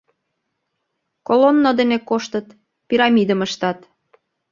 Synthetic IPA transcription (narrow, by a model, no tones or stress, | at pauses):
kolonːod̪enekoʃt̪ət̪ | pʲiɾɑmid̪əməʃt̪ɑt̪